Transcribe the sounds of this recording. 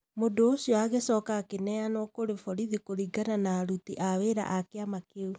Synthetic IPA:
mondoːɕiɔaɣesɔːkakenɛanɔkoɾefɔɾiðikoɾiɡananaːɾutiʔaweɾa̰ʔakeamakeu

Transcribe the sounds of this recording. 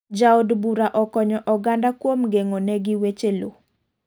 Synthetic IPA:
d͡ʒaodbuɾaʔɔkɔɲɔʔɔɡandakwomɡeŋonɛɡɪwet͡ʃelo

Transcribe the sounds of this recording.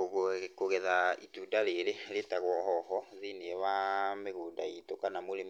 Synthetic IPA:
oɣokoɣɛzaitudaleleletaɣwɔɦɔhɔzinewameɣuːdaitokanamulim

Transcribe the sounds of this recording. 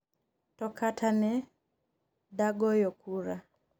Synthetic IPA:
tɔkatʰanɛ | daɡɔjɔkuɾa

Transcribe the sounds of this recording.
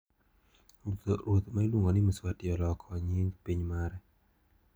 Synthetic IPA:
ɾt̪oɾwot̪mailwuŋɡɔnɪmiswatɪɔlɔkʰɔɲiŋpiɲmaɾɛ

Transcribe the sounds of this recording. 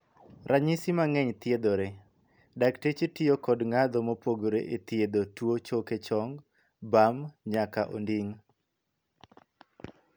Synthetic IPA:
ɾʔaɲisimaŋɛɲt̪jed̪oɾe | daktet͡ʃetɪjokɔdŋad̪ɔmopoɡoɾeʔet̪jed̪otwot͡ʃoket͡ʃɔŋɡ | bamɲakaʔo̰ndiŋ

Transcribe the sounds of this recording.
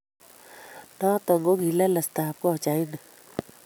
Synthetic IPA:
nat̪ɔŋɡoɡʱilaləst̪aːp̚koɦɔt͡ʃain

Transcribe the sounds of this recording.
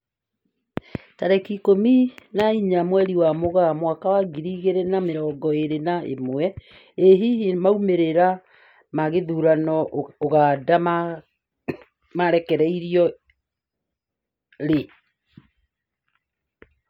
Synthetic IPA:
taɾɛkikominaiɲamwɛɾiwamoɣamwakawaɡiɾiɣeɾenameɾɔːɡɔeɾenaʔḛmwɛ | eɦiemaumeɾeɾa | maɣeðuɾanɔoɣaːdama | maɾɛkɛɾɛiɾiɔ | ɾe

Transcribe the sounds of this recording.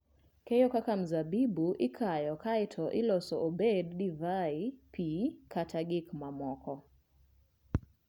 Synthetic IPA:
kɛjɔkakam̩zabibuʔɪkʰajɔkaɪtʰɔʔɪlɔsɔʔobedːivaipʰikʰataɡɪkmamɔkɔ

